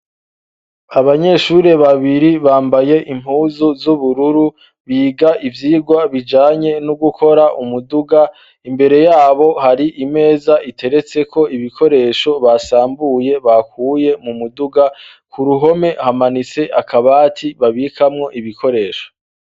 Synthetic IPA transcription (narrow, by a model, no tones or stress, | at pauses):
aβaɲe̞ʃuɾe̞βaβiɾiβaːmbaje̞ʔim̥uːzuzuβuɾuɾu | βiːɡaʔivjiːɡwaβid͡ʒaːɲe̞nuɡukʰo̞ɾaʔumuduɡa | imbe̞ɾe̞jaːβo̞haɾiʔime̞ːzaʔitʰe̞ɾe̞t͡se̞kʰo̞iβikʰo̞ɾe̞ːʃo̞βasaːmbuje̞βakuːje̞mumuduɡa | kuɾuɦo̞me̞hamanit͡se̞ʔakʰaβaːtʰiβaβikʰamŋo̞ʔiβiko̞ɾe̞ːʃo̥